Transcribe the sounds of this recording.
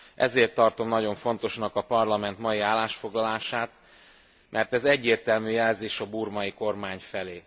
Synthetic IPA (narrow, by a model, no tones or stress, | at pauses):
ʔɛ̰zeːrt̪ːɒrt̪o̞mnɒɟo̞ɱfo̞nt̪o̞ʃnɒkɒpɒrlɒmɛnt̪mɒjiaːlːaːʃfo̞ɡlɒlaːʃaːt̪ | mʔɛrt̪ɛzɛɟːeːrt̪ɛlmyːjɛlzeːʃɒbuːrmɒjiko̞rmaːɲfɛleː